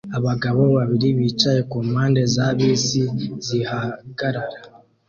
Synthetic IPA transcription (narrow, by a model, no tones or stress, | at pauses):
aβaɡaβo̞βaβiɾiβiːt͡ʃaje̞kuːmaːnde̞zaβiːsizihaɡaɾaɾa